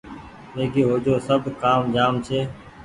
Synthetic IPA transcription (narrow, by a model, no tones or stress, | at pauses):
meːɡeːɦoːd͡ʒoːsəbʱkaːmd͡ʒaːmt͡ʃʰeː